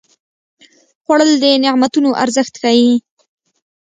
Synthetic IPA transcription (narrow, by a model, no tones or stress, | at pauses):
xwaɽəld̪ənɪmat̪unoʔaɾzəxt̪xawi